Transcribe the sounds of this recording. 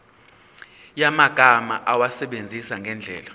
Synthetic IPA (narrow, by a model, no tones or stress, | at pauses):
jamaɡ̥ʱama̰ʔawasɛɓend͡zʱisaŋɡʱɛnd͡ɮʱɛ̰ːla